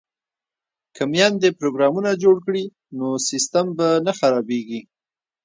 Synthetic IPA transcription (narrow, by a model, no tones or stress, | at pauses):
kəmjɑnd̪epɾoɡɾɑmunad͡ʒoɽkɽi | nosɪst̪ambanaxaɾɑbeɡi